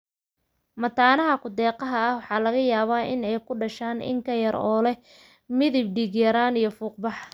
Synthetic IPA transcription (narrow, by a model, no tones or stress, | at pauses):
mɐt̪ʰaːnɐɦɐkʰʊd̪ɛːqɐɦɐɐhwɑħɑːlɐɣɐjaːβaːʔɪnɛjkʰʊɖɐʃaːnɪ̰ŋkʰɐjɐɾɔːlɛ | mɪðɪb̚ɖɪɣjɐɾaːnijɞfuːq̚bɑħ